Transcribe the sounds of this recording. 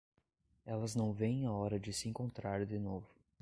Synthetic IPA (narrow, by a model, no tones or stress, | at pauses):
ɛlɐznɐ̃w̃vẽj̃aɔɾɐd͡ʒɪsɪẽŋkõnt̪ɾaɾd̪ɪnovʊ